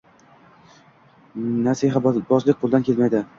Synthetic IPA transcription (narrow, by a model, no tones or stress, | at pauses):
nasiɦabbɒzlɪk̚ʲqʰolˠd̪ankʰʲelmajd̪ɪ